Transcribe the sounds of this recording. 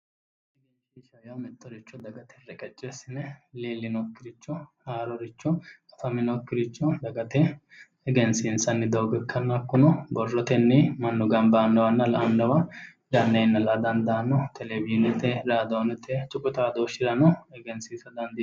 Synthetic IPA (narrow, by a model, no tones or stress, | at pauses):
ɪliːʃiːʃɐjɐwmɛt̪ːɔɾɪt͡ʃːɔd̪ɐɡɐt̪ʰɛɾɛkʼɛt͡ʃʼːɛsɪnɛleːlːɪnɔkːɪɾɪt͡ʃːɔhaːɾɔɾɪt͡ʃːɔkʼɐt̪ɐmɪnɔkːɪɾɪt͡ʃːɔd̪ɐɡɐt̪ɛ | ɛɡɛnsɪnsɐnːɪd̪oːɡɛkːɐnːɐkːʊnɔbɔrːɔt̪ɛnːɪmɐnːʊɡɐmbaːnːɐwɐnːɐlɐʔɐnːɐwɐ | d̪ɐnːɛjnːɐlɐd̪ɐnd̪ɐːnɔt̪ʰɛlɛbinɛt̪ːɛɾaːd̪oːnɛt̪ʰːɛt͡ʃʼʊkʼʊt̪aːd̪oːʃɪɾɐnɔɛɡɛnsiːsɐd̪ɐnd̪ɪ